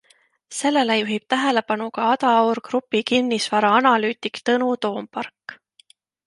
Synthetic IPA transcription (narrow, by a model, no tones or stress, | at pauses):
se̞lːe̞lejuɦib̥̚t̪æɦe̞le̞pɑnukɑɑd̪ɑorkrupːikinːisvɑɾɑɑnɑlyːt̪ikt̪ɤnut̪o̞ːmpɑrkː